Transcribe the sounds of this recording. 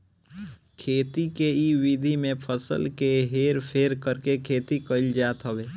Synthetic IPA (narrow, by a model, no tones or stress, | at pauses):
kʰeːt̪ikeiwid̪ʱimẽpʰəsə̰lkeɦeːɾpʰeːɾkəɾkekʰeːt̪ikəɪld͡ʒaːt̪ɦəʋeː